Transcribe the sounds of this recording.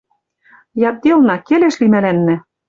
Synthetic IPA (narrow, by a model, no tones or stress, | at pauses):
jɑt̪̚d̪elˠnɑkeleʃlimælænːɘ̆